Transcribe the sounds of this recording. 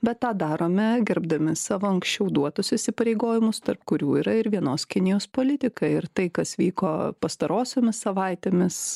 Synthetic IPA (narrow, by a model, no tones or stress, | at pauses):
bʲɛt̪tɑːd̪ɑːɾoːmʲɛɡʲɛɾbd̪ɐmʲɪsɑːʋoɐŋksʲt͡ʃʲɛʊd̪uɔt̪ʊsɪsʲɪpɐɾʲeɪɡoːjɪmʊst̪ɐrpkʊɾʲuːiːɾɐɪɾʋʲiɛnoːskʲɪnʲɪjoːspoːlʲɪt̪ʲɪkɐɪɾt̪ɐɪkɐsʋʲiːkoːpɐst̪ɐɾoːsʲoːmʲɪsːɐʋɐɪt̪ʲeːmʲɪs